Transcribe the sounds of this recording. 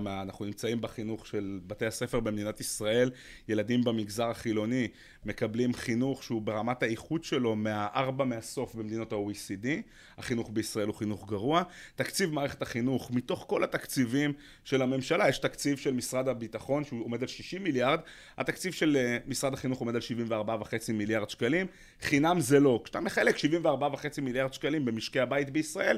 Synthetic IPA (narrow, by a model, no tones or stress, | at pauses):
manaχunimt͡saimbeχinuχʃe̞lbatehase̞fe̞ʁbemed̪inatisʁae̞lje̞ladimbemiɡzaʁaχilo̞ni | me̞kablimχinuχʃeubeʁamathaiχudʃelo̞me̞aʔaʁbameaso̞fbemed̪ino̞taoisidi | ha̰χinuχbeisʁae̞luχinuχɡaʁuat̪akt͡sivmaːʁeχe̞taχinuχmito̞χko̞lat̪akt͡sivim | ʃe̞lame̞mʃalajeʃtakt͡sivʃelmisʁad̪abitaχo̞nʃeuo̞me̞d̪alʃiʃimːiljaʁd̪ | ha̰t̪akt͡sivʃe̞lmisʁad̪aχinuχomedalʃivimveaʁbavaχe̞t͡similjaʁd̪ʃkalim | χinamzelo̞kʃt̪a̰meχaelekʃivimveaʁbavaχe̞t͡similjaʁd̪ʃkalimbe̞miʃkeabait̪beisʁae̞l